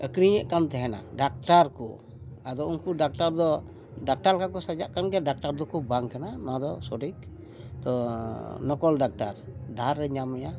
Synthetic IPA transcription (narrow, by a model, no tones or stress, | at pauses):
əkɾiɲəʔkamt̪ɛɦɛna̰ɖak̚ʈaɾkṵ | ad̪ɔunkuɖak̚ʈaɾd̪ɔ | ɖak̚ʈaɾkakɔsad͡ʒaʔkanɡɛɖak̚ʈaɾd̪ɔkubaŋkananad̪ɔsɔɖik | t̪ɔ | nɔkɔlɖak̚ʈaɾdaɾːɛɲamɛja